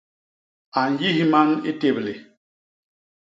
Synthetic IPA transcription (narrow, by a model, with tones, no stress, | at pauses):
a˨n˨ji˦ɦi˦ma˦nḭ˦te˨ble˨